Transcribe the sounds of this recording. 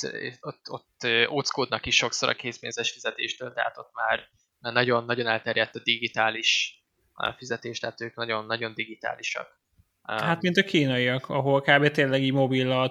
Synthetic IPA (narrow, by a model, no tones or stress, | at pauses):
ot̪ːo̞t̪ːøʔoːt̪skoːd̪nɒkiʃːo̞ksoɾɒ̰keːspeːnzɛʃfizɛt̪ḛːʃt̪øːlt̪ɛ̰ha̰t̪o̞t̪ːma̰ːr | nɒɟo̞nːɒɟo̞nɛlt̪ɛɾjɛt̪ːɒd̪iɡit̪aːliʃ | fizɛt̪eːʃt̪ɛɦat̪øːknɒɟo̞nːɒɟo̞nd̪iɡit̪a̰ːliʃɒ̰k | hat̪mint̪ɒkiːnɒiɒkʰɒɦo̞lkaːbeːt̪eːnlɛɡiːɟmo̞bilːɒl